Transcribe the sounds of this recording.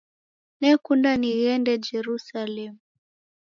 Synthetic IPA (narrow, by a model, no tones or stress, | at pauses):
nɛkundaniɣɛndɛd͡ʒɛɾusalɛmu